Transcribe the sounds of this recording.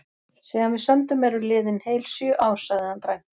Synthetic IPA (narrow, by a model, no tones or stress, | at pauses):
sɛːɣanvɪðsœnt̪ʏmɛɾʏlɪːðɪnheːjlsjœʔaːwsaðɪant̪ɾaj̥t̪